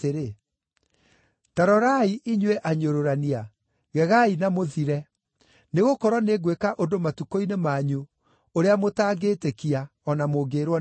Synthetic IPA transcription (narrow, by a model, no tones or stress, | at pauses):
eɾe | taɾɔɾaiʔiɲwɛʔaɲoɾoɾania | ɣɛɣainamoðiɾɛ | neɣokɔɾwɔneɡwekaʔondomatukoinemaɲu | oɾeamotaːɡeːtekiaɔnamoɡeːɾwɔ